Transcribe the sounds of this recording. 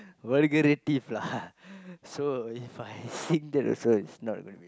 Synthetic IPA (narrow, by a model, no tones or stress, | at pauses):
wəlɡəɾetifla | soifajsĩŋd̪ɛtɔ̰soitsnɔt̚ɡonubi